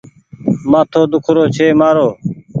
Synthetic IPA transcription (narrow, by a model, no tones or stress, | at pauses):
mãːt̪ʰoːd̪ʊkʰɾoːt͡ʃʰeːmaːɾoː